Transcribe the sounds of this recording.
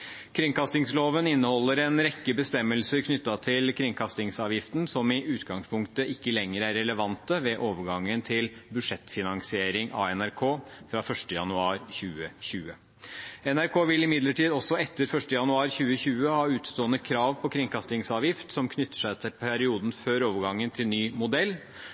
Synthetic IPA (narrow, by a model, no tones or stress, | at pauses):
kʰɾɪŋkɑst̪ɪŋsloːʋənɪnːəhɔlːəɾɛnɾɛkːəbəst̪ɛmːəlsəɾkʰnʏt̪ːɑt̪ʰɪlkʰɾɪŋkʰɑst̪ɪŋsɑːʋjɪft̪n̩sɔmɪʔʉːt̪ɡɑŋspʰʊŋkt̪əʔɪkːəlɛŋːəɾæɾːɛləʋɑnt̪əʋɛʔoːʋəɾɡɑŋːənt̪ʰɪlbʉʂɛt̪ːfɪnɑŋsɪeːɾɪŋʔɑ̰ɛnæɾkʰoːfɾɑfœʂʈəjɑ̰nʉɑːɾçʉːəɕʉːə | ɛnæɾkʰoːʋɪlɪmɪd̪ləʈʰiːd̪ɔsːɔɛt̪ːəɾfœʂʈəjɑnʉɑːɾçʉːəɕʉːəhɑːʉːt̪st̪oːənəkʰɾɑːʋpʰɔkʰɾɪŋkʰɑst̪ɪŋsɑːʋjɪft̪sɔmkʰnʏt̪ːə̥ʂæɪt̪ʰɪpʰæɾɪuːd̪n̩føːɾoːʋəɾɡɑŋːənt̪ʰɪlnyːmʊd̪ɛlː